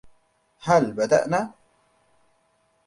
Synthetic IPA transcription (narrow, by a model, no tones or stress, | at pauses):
hɐlbɐd̪a̰ʔna